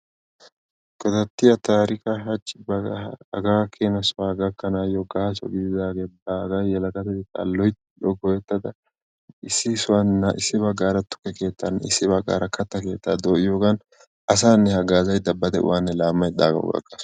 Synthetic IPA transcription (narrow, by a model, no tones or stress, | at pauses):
ɡʼɔd̪ɐt̪ːɪjɐt̪aːɾɪkɐɦɐt͡ʃʼːɪbɐɐɐ̰ɡaːkʰeːnɐsʊwaːɡɐkːɐnaːjɔɡaht͡ʃɔ̰ɡɪd̪ɪd̪aːɡeːbaːɡɐjɛlɐɡɐt̪ɛd̪ɪkʼːa̰lːɔjt̪ɪᶑɔɡɔjɛt̪ːɐd̪ɐ | ɪsːɪsʊwɐnːɐʔɪsːɪbɐɡːaːɾɐt̪ʊ̥kːɛke̞ːt̪ːanːɪsːɪbɐɡːa̰ːɾɐkɐt̪ːɐke̞ːt̪ːaːd̪oːʔɪjoːɡɐn | ɐs̬aːnːɛhɐɡaːzɐjd̪ɐbːɐd̪ɛ̰ʊ̰waːnːɛlaːmːɐjd̪a̰ːɡɐ̰ːɡɐ̰kʼːɐs